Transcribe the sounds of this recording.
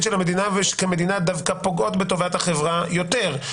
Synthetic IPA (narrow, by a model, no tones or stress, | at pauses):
tʃelhamed̪inaveʃkeme̞d̪inad̪avkapo̞ɡo̞t̪bet̪o̞vat̪haχevʁajo̞t̪e̞ʁ